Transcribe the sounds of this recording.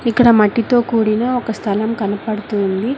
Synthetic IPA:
ikːɐɽɐmɐʈːit̪o̞ːkuːɽinɐɔkɐst̪ʰɐlɐmkɐnɐpɐɽut̪uːnd̪i

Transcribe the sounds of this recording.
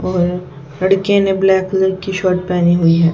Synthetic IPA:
ɔːɾ | lɐɽkenẽblɛːkləɾkiʃɔːʈpɛːniɦʊiɦɛː

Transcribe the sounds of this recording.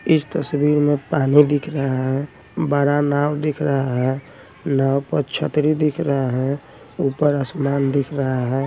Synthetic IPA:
ɪsʰt̪əsbiɾmepanid̪ikʰɾəɦaɦɛ | baɾanawd̪ikʰɾəɦaɦɛ | nawpəɾt͡ʃʰət̪ɾid̪ikʰɾəɦaɦɛ | upəɾəsmand̪ikʰɾəɦaɦɛ

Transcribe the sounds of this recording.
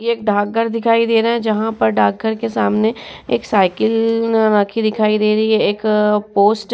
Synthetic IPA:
jeeːkɖʱaːkɡəɾd̪ɪkʰaːid̪eːɾɐɦɛ̃d͡ʒɐɦãpɐɾɖʱaːk̚ːəɾkesaːmneeːksaːɪkəlnnaːkʰid̪ɪkʰaːid̪eːɾɐiɦɛeːkpoːsʈ

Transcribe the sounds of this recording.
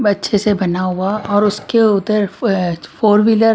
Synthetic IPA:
bɐtːʃʰesebɐnaɦuaɔːɾʊskeʊd̪əɾfʰoːɾmɪləɾ

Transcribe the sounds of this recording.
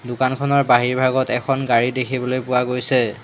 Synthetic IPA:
dʊkankʰɔnɔɹbaɦiɹbʱaɡɔtɛkʰɔnɡaɹidekʰibɔlojpʊwaɡojsɛ

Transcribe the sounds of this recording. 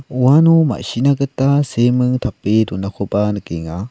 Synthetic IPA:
uanuma̰ɕinaɡətasemɯŋtʰapedunakʰobanəkeŋa

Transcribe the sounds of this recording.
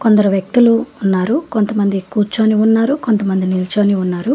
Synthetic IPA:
kond̪ɐɾuʋjɐk̚t̪uluːnːaːɾuko̞nt̪ɐmɐnd̪ikuːɾt͡ʃoːniunːaːɾukont̪ɐmɐnd̪inilt͡ʃoːniunːaːɾu

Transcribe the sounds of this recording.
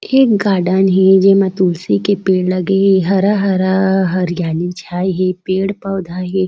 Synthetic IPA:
eːk̚ɡaːɖanɦed͡ʒemat̪uːlsikepeːɽlɐɡeɦeɦɐɾaɦɐɾaɦɐɾjaːlit͡ʃʰaːjɦepeːɽpɐwd̪ʱaːɦe

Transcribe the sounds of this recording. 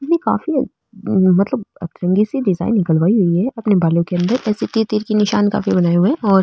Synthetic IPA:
ɐnika̰ːfḭ | mɐt̪ləbɐ̰t̪ɾə̃ŋɡisiɖɪza̰ːɪnːɪkəlʋaːiɦʊiɦɛɐpnebaːlõkeɐ̃nd̪əɾɛːset̪iːɾt̪iːɾkinɪʃaːnka̰ːfibɐnaːeɦuẽɔːɾ

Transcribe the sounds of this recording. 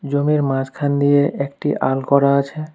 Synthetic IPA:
d͡ʑomiɾmãd͡ʑkʰand̪ijeʔekʈiʔa̰lkɔɾaat͡ɕʰe

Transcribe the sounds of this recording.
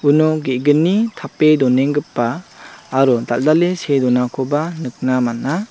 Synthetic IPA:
unɔɡeɡɯnːitʰapedɔneŋɡɯpːaː | ɾɔdaldalesedɔnakʰɔbanɯk̚namana

